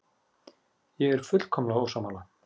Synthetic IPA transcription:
jɛɣɛɾ̥fʏt̪l̥kʰɔmlaawsamala

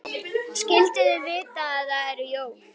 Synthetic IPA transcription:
scɪlt̪ɪðɪvɪːt̪aːðaðɛɾʏjoːw

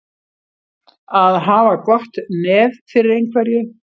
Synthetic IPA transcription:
aðɦaːvakvɔht̪nɛːvfɪɾɪɾejnkʰvɛɾjʏ

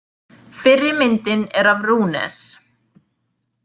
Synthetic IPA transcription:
fɪrːɪɾmɪnt̪ɪnɛɾavruːnɛ̰s

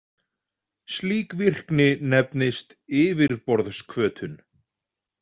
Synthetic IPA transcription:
sliːkvir̥knɪnɛpnɪst̪ɪːvɪɾpɔɾðskʰvœːt̪ʰʏn

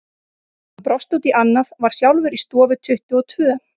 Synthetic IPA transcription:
pɾɔst̪uwt̪iʔanːaðvaɾ̥sjawlvʏɾist̪ɔːvʏt̪ʰʏht̪ʏɔt̪ʰvʏː

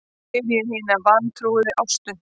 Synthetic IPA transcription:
ɛɾjɛɦinavant̪ʰɾuɣðɪʔawst̪ʏ

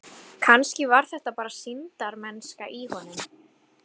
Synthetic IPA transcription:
kʰanscɪvaɾ̥θɛht̪apaːɾasint̪aɾmɛnskaʔihɔnːʏm

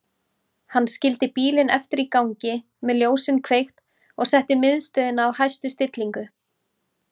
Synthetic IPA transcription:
hanːscɪlt̪ɪpiːlɪnɛft̪ɪɾikawɲcɪ | mɛðljoːwsɪnkʰvejxt̪ | ɔɣsɛht̪ɪmɪðst̪œːðɪnawhajst̪ʏst̪ɪt̪liŋkʏ

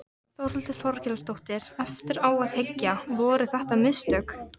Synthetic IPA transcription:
θawɾʏlt̪ɪθɔɾcɛlast̪owht̪ɪɾɛft̪ɪɾaːwaðθecːavɔːɾʏθɛht̪amɪðst̪œːk

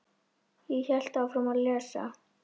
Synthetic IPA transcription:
jiçɛl̥t̪awfɾɔmaðlɛːsa̰

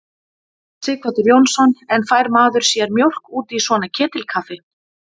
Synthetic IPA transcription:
sɪːkʰvat̪ʏɾjownsɔnɛnfaːjɾmaːðʏɾ̥sjɛɾmjowl̥kuːt̪iisvɔːnacʰɛːt̪ɪlkʰafɪ

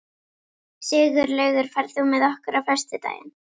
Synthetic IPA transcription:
sɪːɣʏɾlœːɥɣʏɾ̥faɾθumɛðɔhkʏɾafœ̥st̪ɪt̪a̰ːjɪ̰n

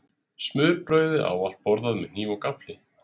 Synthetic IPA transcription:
smʏːɾpɾœːɥðʏʔa̰ːwal̥t̪̚pɔɾðaðmɛniːvɔkaplɪ

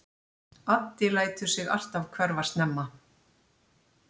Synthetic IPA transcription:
at̪ːɪlaːjt̪ʏsɪɣa̰r̥t̪avkʰvɛɾvast̪nɛmːa

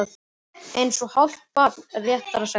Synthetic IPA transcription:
θ | ejnsɔhɔl̥t̪̚pat̪nrjɛht̪aɾasa

